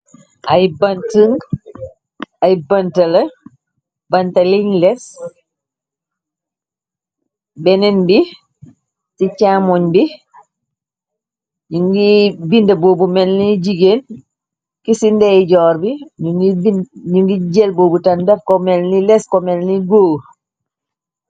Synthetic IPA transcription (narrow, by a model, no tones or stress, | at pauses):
ʔajbɐntəŋ | ajbɐntɐlɐ | bɐntɐliɲlɛs | bɛnɛnbi | tit͡ʃamɔɲbi | ɲuŋɡibindɐboːbumɛnniɟiɡeːn | kisindɛjɟɔːɾbiɲuiiɲuŋɡiɟɛlboːbutɐndɛfkɔmɛlnilɛskɔmɛlniɡoː